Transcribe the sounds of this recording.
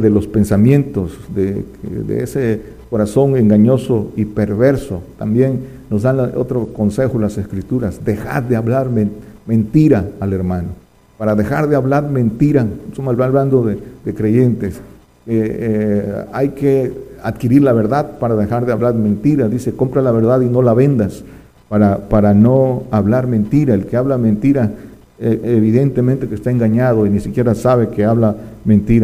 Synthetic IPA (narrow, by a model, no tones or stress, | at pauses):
ðelospensamje̞nt̪osd̪e | d̪ḛḛse | koɾaso̞ŋe̞ŋɡaɲo̞soipeɾβeɾsot̪ambjenː | ozd̪ano̰t̪ɾokonsexolase̞skɾit̪uɾasd̪exa̰ɾd̪eaβlaɾmemẽnt̪iɾaːleɾmãno | paɾaðexaɾðeaβlaɾmẽ̞nt̪iɾasomaβaβland̪oðed̪ekɾe̞ʝe̞nt̪es | ke | ajkeaðkiɾiɾlaβeɾðaðpaɾaðexaɾðeaβlaðmẽ̞nt̪iɾaðise̞ko̞mpɾalaβe̞ɾðaðino̞laβe̞nd̪as | paɾapaɾanoaβlaɾmẽ̞nt̪iɾaelkeaβlamẽnt̪iɾa | eeβiðe̞nt̪e̞mẽnt̪e̞kest̪aeŋɡaɲað̞o̞inisikje̞ɾasaβe̞keaβlamẽ̞nt̪iɾa